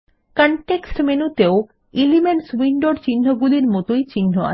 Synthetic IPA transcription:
kaɳʈeksʈmenut̪eo | ilimeɳswiɳɖoɾt͡ɕinːoɡuliɾmɔt̪ojt͡ɕinːoa̰

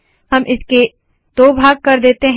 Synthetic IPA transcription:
hɐmʔɪske | t̪oːbʱaːɡ̚kɐɾd̪eːt̪eɦ

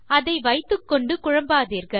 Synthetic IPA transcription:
ɐðɐɪʋɐɪt̪ːɯkːɔɳɖɯkʊɻɐmbaːðiːɾɣɐ

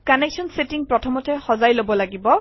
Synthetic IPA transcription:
kaneksɔnsetiŋpɾɔtʰɔmɔtʰɛhɔzajlobɔlaɡibɔ

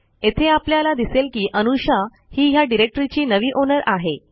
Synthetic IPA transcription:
et̪ʰeapljalad̪iselkiːʔənuɕa | hiːɦjaɖiɾek̚ʈəɾit͡ɕiːnəʋiːʔonəɾaɦe

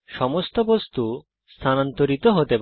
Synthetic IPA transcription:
ʃɔmost̪obost̪u | st̪ʰanant̪oɾit̪oɦot̪ep

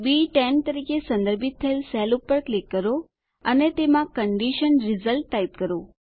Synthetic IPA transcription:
biʈɛnt̪əɾikesə̃nd̪əɾbit̪ʰːəelsɛlupːəɾklikːəɾo | ənet̪emãkəɳɖiʃənɾɪzəlʈːait̪kəɾo

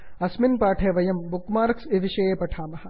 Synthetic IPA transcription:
ɐsminpaːʈʰeːʋɐjɐmbukmaːɾksiʋiʃɐjeːpɐʈʰaːmɐhɐ̆

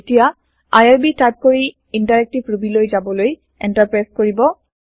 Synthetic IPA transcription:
tija | ajaɹbitajp̚koɹi | intaɹɛk̚tibɹubilojzabɔloj | ɛntaɹpɹajskoɹibɔ

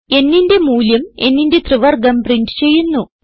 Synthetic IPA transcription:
e̞nːinde̞muːljɐme̞̰nːinde̞t̪rɨʋɐrɡɐmpriɳɖɨ̥t͡ɕe̞jːunːu

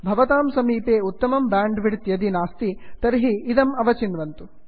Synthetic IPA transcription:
bʱɐʋɐt̪aːmsɐmiːpeːut̪ːɐmɐmbaːɳɖʋiɽt̪jɐd̪inaːst̪it̪ɐɾɦiːd̪ɐmɐʋɐt͡ʃinʋɐnt̪u

